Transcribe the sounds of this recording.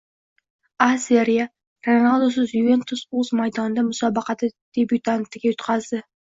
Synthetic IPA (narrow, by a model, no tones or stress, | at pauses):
aseɾija | ɾonalˠd̪osʊzjuve̞nt̪ʰʊsozmajd̪ɒnd̪amʊsɒbɑqɑt̪ʰɪd̪̥e̞bjut̪ʰant̪ɪɡʲajʊt̪qʰɑzd̪ɪ